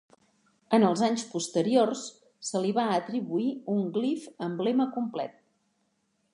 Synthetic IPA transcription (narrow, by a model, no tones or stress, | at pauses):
ənəlˠzaɲspust̪əɾiorsː | əliβaət̪ɾiβuiuŋɡlifəmbleməkumplɛ̰t̪̚